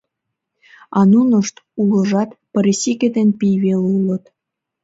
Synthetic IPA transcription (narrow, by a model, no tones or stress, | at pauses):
ɑnunə̆ʃt̪uləʒɑt̪pə̆ɾesʲiked̪enpijβelulət̪